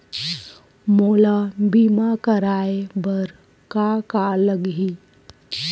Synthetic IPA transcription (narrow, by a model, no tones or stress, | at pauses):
moːlabiːmakəɾaːebəɾ | kakaləɡɦi